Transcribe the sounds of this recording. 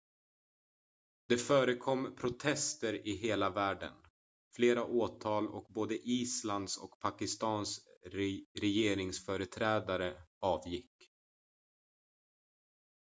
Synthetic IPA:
d̪̥ɛfœːɾəkʰɔmːpʰɾʊt̪ʰɛst̪əɾɪɦeːlavæːɖə̰n | fleːɾaʔoːt̪ʰɑːlɔ̰k̚boːd̪əʔiːsland̪sɔ̰kpʰakɪst̪ɑːns | ɾɛjeːɾɪŋsfœːɾət̪ʰɾɛːd̪aɾəɑːvjɪkː

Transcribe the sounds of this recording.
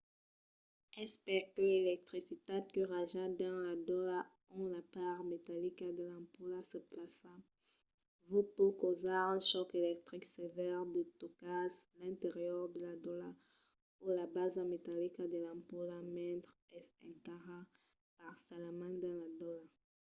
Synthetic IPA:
ɛspɛʁkəlelɛk̚t̪χisit̪ad̪̚kəʁaʒad̪ãlad̪ɔla | ɔ̃lapaʁmet̪alikad̪əlãmpulasəplasã | vupokozaʁɛ̃ʃɔkelɛk̚t̪ʁiksevɛʁd̪ət̪okaslɛ̃nt̪eʁjœʁd̪əlad̪ola | ulabazamet̪alikad̪əlãmpulamɛ̃t̪χ | ɛsɛ̰̃ŋkaʁa | paʁsalamãd̪ãlad̪ɔla

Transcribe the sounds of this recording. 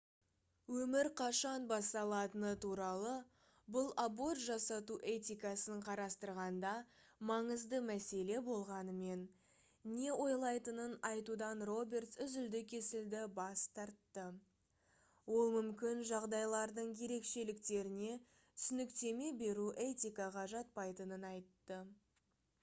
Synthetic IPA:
wɵmɪɾqʰɑʃɑnbɑst̪ɑlˠɑt̪ənət̪ʰuɾɑlˠə | bʊlˠabo̞rt̪ʒɑsɑt̪uʔe̞t̪ʲijkɑsəɴqʰɑɾɑst̪əɾʁɑnd̪ɑ | mɑɴəzd̪əmæse̞le̞bo̞lˠʁɑnəme̞n | ne̞wo̞jlˠɑjt̪ənənɑjt̪ud̪ɑnro̞bʲe̞rt̪sʏzʏld̪ɪkʲʰe̞sɪld̪ɪbɑst̪ɑɾt̪ːə | wo̞lˠmʏmkʲɪnʒɑʁd̪ɑjlˠɑɾd̪əɴje̞ɾe̞kʃe̞lɪkt̪e̞ɾɪne̞ | t̪ʰʏ̥sʏnɪkt̪e̞me̞be̞ɾuʔe̞t̪ʲijkɑʁɑʒɑt̪̚pɑjt̪ənənɑjt̪ːə

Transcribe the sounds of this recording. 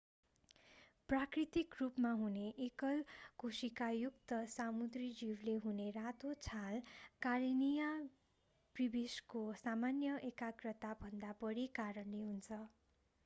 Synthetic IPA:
prakrit̪ikrupmaɦuneʔekʌlkusikajukt̪ʌsamud̪rid͡ziwleɦunerat̪ot͡sʰalkaɾinija | pribiskosamanjʌʔekakrʌt̪abʱʌnd̪apʌɽikaɾʌnleɦunt͡sʰʌ

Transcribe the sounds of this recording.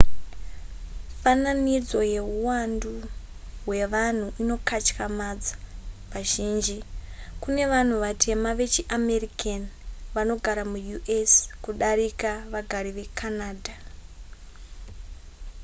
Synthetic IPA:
fananid͡zo̞je̞ɦuwandu | ɦwe̞ʋan̤uʔino̞kat͡ʃkamad͡zḁʋaʒiːnd͡ʒikune̞ʋan̤uʋatʰe̞maʋe̞t͡ʃiʔame̞rikanʋano̞ɡʱaɾamujuʔeskuɗaɾikaʋaɡʱaɾiʋe̞kʰanaːdʱa

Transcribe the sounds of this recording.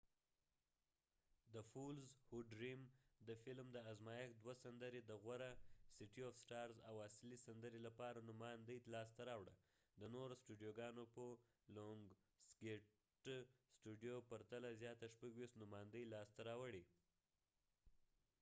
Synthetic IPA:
d̪əfulzhuɖɾimd̪əfɪlmd̪əazmɑjakd̪wasand̪əɾed̪əɣwaɾasiʈiɔfsʈɑɾza̰waslisand̪əɾelapɑɾanʊmɑnd̪əjlɑs̬t̪aɾɑwɽa̰ | d̪ənoɾosʈuɖijoɡɑnopə | loŋɡ | ske | ʈsʈuɖijopaɾt̪alazjɑt̪aʃpaɡwiʃt̪nʊmɑjnd̪əjlɑst̪aɾɑwəɽi

